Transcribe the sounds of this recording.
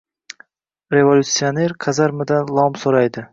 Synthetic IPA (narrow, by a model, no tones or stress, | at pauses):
ɾe̞volʲut̪sːione̞ɾkʰazaɾmɪd̪anlˠɒmsoɾajd̪ɪ